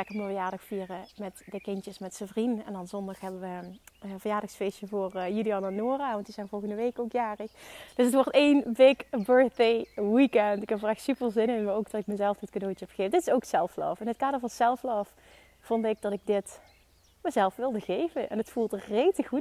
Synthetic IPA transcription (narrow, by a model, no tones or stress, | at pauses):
ɛkəməvəjaːɹdɑxfiːrəmɛtdəkɪntjəsmɛtsəvrinɛ̰ndɑnzɔndɑxɦɛbəʋəəvərjaːdɑxsfejsəvoːrjyliɑnanoːraːʋɑntizɛjnvɔlˠɣəndəʋejkowkjaːrəxd̥ɵsətʋɔɹtejnbɪkbøɹθdejwikɛntɪkɛpvolɛxtsypəlˠzɪnənmaɹowkdɑtɪk̚məzɛlˠfətkədowtɦɛpə̥ɣejfədɪtɪ̥sowksɛlˠflɑ̰ːfɛnɦət̚kaːdəɹvɑnsɛlˠflɑːf | fɔndɪɡ̚dɑtɪɡ̚dɪt | məzɛlˠfʋɪlˠdəɣejvənʔɛ̰nətfulˠtrejtəut